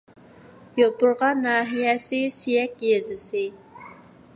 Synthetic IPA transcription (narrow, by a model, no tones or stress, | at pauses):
jopʊɾʁɑnːɑːɦijɛsɪsijɛk̚ʲjezɪsɪ